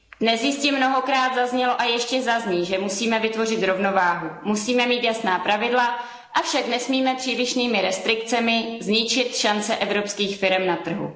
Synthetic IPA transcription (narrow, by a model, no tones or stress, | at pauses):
dnɛsjɪscɪmno̞ɦo̞kɾaːd̪zazɲɛlo̞ʔajɛʃcɛzazɲiːʒɛmusiːmɛvɪt̪vo̞r̝ɪt̪ɾo̞vno̞vaːɦumusiːmɛmiːt̪jasnaːpɾavɪdla | ʔafʃaknɛsmiːmɛpr̥iːlɪʃniːmɪɾɛst̪ɾɪkt͡sɛmɪzɲɪt͡ʃɪt̪ʃant͡sɛʔɛvɾo̞pskiːxfɪɾɛmnat̪r̩ɦṵ